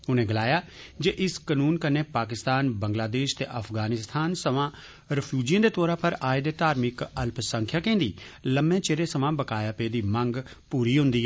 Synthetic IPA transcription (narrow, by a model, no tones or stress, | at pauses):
ʊnẽːɡəlaːjaːd͡ʒeʔɪskənuːnkəneːpaːkɪst̪aːnbəŋɡlaːd̪eːʃt̪ḛːʔəfʰɡaːnɪst̪ʰaːnsəʋãː | ɾɪpʰjuːd͡ʒijãːd̪eːt̪ɔːɾãːpəɾaːed̪eːt̪aːɾmɪkəlpsəŋkʰjaːkẽːnd̪iːləmẽːt͡ʃeːɾeːsəʋãːbəkaːjaːpeːd̪iːmə̃ŋɡ | puːɾiːɦʊ̃nd̪iːɦɛː